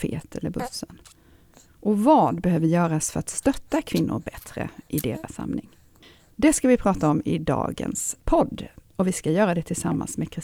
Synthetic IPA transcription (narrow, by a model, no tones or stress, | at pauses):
fḛːt̪ʰɛlːəɾbɵsːən | ʔɔvɑːd̪bɛhøːvəjœːɾasfœɾat̪st̪œt̪ːakʰvɪnːʊ̰ɾbɛt̪ɾə̰ʔɪd̪eːɾasːa̰mnɪŋ | d̪ɛskavɪpʰɾɑːt̪aɔmɪd̪ɑ̰ːɡə̰nspʰɔd̪ː | ɔvɪskajœːɾad̪ɛt̪ʰɪlsa̰mːa̰nsmeːkʰɾɪ